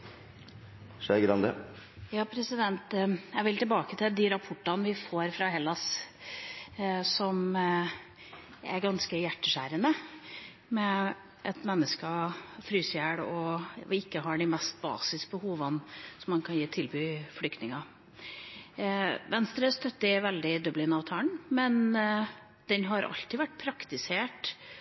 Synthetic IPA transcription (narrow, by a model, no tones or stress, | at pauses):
ʂeɡɾɑnd̪ə̰ | jɑːpʰɾɛsɪd̪ɛnt̪jæɪʋɪlt̪ɪlbɑːkət̪ʰɪld̪ɪɾɑpʰɔʈːɑnʋɪfoːɾfɾɑɦɛlːɑs | sɔm | æ̰ɾɡɑnskəjæʈːəʂæːɾənə | mɛ | ʔɛt̪mɛnːəskəfɾyːsjæːɽɔɪkːəɦɑɖɪmɛst̪̚bɑ̰ːsɪskəbəhuːʋənsɔmːɑnkʰɑnjiːt̪ʰɪlbyːfɽʏkt̪nɪŋɑ | ʋɛnst̪ɾəst̪œt̪ːɪʋɛld̪ɪd̪œblɪnɑːʋt̪ʰɑːɳmɛn | d̪̥ɛnɦɑɾʔɑ̰lt̪ɪʋæʈːpʰɾɑkt̪ɪseːʈ